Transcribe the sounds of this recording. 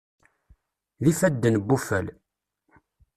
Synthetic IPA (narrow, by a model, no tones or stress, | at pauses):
ðifæd̪ːənbːufæl